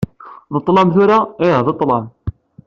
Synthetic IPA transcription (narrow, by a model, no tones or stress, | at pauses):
ðət̪ˤːlɑmθuɾaiɦðət̪ˤːlɑm